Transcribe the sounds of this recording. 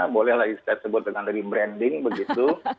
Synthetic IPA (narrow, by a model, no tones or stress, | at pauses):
bolɛhlaɡiskat̪səbʊt̪̚əŋandaɡibɾɛndɪŋbəɡit̪u